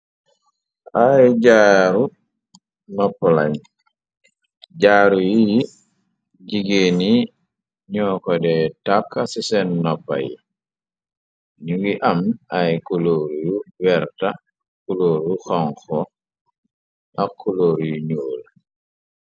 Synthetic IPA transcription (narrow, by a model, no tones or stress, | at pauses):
ajɟaːɾu | nɔpːɔla̰j | ɟaːɾujiji | ɟiɡeni | ɲɔːkɔdɛtakːasisɛnːɔpːa̰jḭ | ɲuɡiʔamajkuloɾjuwɛɾta | kuloːɾuxɔŋxɔ | ʔakʰːuloːɾjuɲoːl